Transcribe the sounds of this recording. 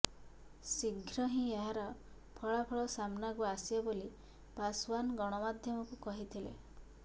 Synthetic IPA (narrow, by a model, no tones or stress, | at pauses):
siɡʱɾɔɦĩeɦaɾɔ | pʰɔɭapʰɔɭɔsamnakuasibɔboli | paswanɡɔɽ̃ɔmad̪ʱjɔmɔkukɔɦit̪ʰilḛ